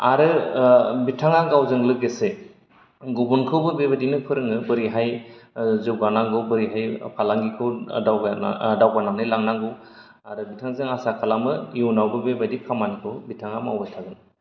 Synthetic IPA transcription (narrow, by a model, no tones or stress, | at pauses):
aɾɯ | bitʰaŋaɡawzɯŋlɯɡese | ɡubunkʰɯwbɯbebadinɯpʰɯɾɯŋɯbɯɾiɦaj | zɯɡanaŋɡɯwbɯɾiɦajpʰalaŋɡikʰɯwaw̰dawɡananɯjlaŋnaŋɡɯw | aɾɯbitʰaŋzeŋasakʰalamɯwnawbɯbebadikʰamankʰɯwbitʰaŋama̰wbatʰaɡɯn